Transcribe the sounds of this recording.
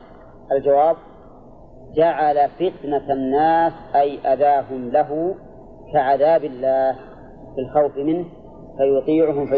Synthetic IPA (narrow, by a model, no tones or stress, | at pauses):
ʔald͡ʒawaːb̚ | d͡ʒaʕalafɪt̪naanːaːsʔajʔaðaːɦʊmlaɦʊ | kaʕaðaːbɪlːaːh | fɪlxawfmɪnh | fajʊt̪ˤiːʕʊɦʊmfa